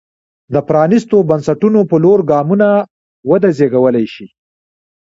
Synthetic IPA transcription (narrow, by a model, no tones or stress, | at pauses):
d̪əpɾɑnist̪obansaʈunopəloɾɡɑmuna | wəd̪azeɡawəlajʃi